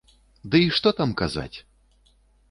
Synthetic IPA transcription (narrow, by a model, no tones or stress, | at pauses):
d̪ɨiʂt̪ɔt̪amkaza̰t͡sʲ